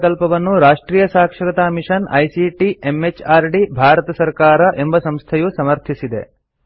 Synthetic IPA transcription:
kɐlpɐʋɐnːuɾaːʂʈɾiːjɐsaːkʂɐkɐt̪aːmiʂɐnɐ̰jsiʈiemet͡ʃaːɾɖibʱaːɾɐt̪ɐsɐɾkaːɾɐʔe̞mbɐsɐmst̪ʰɐjusɐmɐɾt̪ʰisid̪ḛ

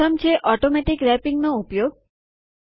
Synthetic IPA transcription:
əmt͡ʃʰeʔɔʈomɛʈikɾɛpiŋɡnõupjoɡ

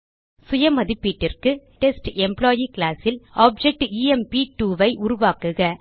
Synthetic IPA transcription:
sʊjɐmɐðɪpːiːʈːɪrkɯʈɛsʈɛmploːjikɪlaːsɪlaːb̚d͡ʒɛk̚ʈiːɛmpiʈuːʋɐɪʔʊɾʊʋaːkɯɣɐ

